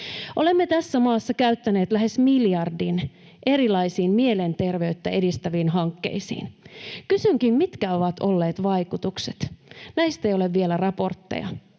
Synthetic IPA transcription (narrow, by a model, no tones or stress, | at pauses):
ʔole̞mːet̪æsːæmɑːsːɑkæyt̪ːæne̞ːt̪læɦe̞smiljɑrdin | ʔe̞ɾilɑjsiːmmiele̞nt̪e̞rʋe̞yt̪ːæe̞dist̪æʋiːnɦɑŋkːe̞̰isḭːnkysyŋk̟immit̪kæo̞ʋɑt̪ʰo̞lːe̞ːt̪ʋɑjkut̪ukse̥t̪næist̪ejo̞le̞ʋːielærɑpo̞rt̪ːḛjɑ̰